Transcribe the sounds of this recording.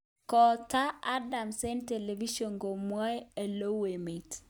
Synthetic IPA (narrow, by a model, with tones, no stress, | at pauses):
kɔ˨ta˦a˦da˨mse˦nte˨le˨vi˦ʃo˨nɡo˨mwa˦e˨lo˦we˨me˨t